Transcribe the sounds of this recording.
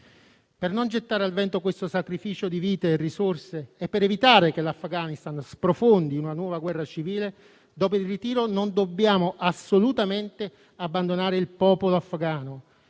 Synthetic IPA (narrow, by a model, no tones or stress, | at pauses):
pernond͡ʒet̪ːaːɾealvɛnt̪okwest̪osakɾifiːt͡ʃod̪iviːt̪eːrːisorseɛpːeɾɛvit̪aːɾekelafɡaːnist̪anspɾofond̪iunanwɔːvaɡwɛrːat͡ʃiviːle | d̪ɔːpoilrit̪iːɾonond̪obːjaːmoʔasːolut̪ament̪e | abːand̪onaːɾeilpɔːpoloafːɡaːno